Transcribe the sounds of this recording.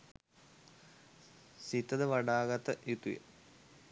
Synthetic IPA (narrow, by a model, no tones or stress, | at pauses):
sit̪ːɐd̪əʋɐɖaːɡɐt̪ɐʔit̪ujɐ̰